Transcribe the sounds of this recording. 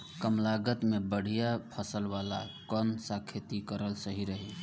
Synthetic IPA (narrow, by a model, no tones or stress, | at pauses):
kəmlaɡət̪mebəɽ̤ijapʰəsəlʋala̰kənsakʰet̪ikəɾəlsəɦiɾəɦi